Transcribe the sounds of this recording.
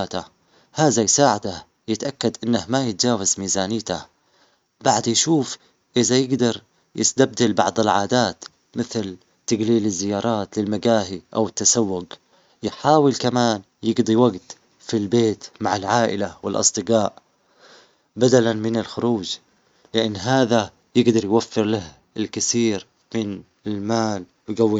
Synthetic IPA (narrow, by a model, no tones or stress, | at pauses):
aːt̪a | haːðajsaːʕad̪a | jɪt̪ʔakːad̪ʔɪnːahmajɪt̪̚d͡ʒaːwazmiːzaːnɪjt̪a | baʕd̪jʃuːf | ʔɪðajɪɡd̪ɑɾˤ | jʔɪst̪ab̚d̪albɑ̰ʕd̪ˤɪlʕaːd̪aːt̪ | mɪθl | t̪aɡliːlɪzːɪjɑːɾˤɑːt̪lɪlmaɡaːɦiʔa̰wɪt̪ːasawːʊɡ | jħaːwɪlkamaːn | jɪɡd̪ˤiwaɡt̪ | filbeːt̪maʕalʕaːʔɪ̰lawɪlʔɑ̰sˤd̪ˤɨɡɑːʔ | bad̪alanmɪnɪlxʊɾuːd͡ʒ | lɪʔanːɦaːða | jɪɡd̪ɑɾˤjwafːɪɾlah | ɪlkɪsiːɾ | mɪn | ɪlmaːl | wɡawːi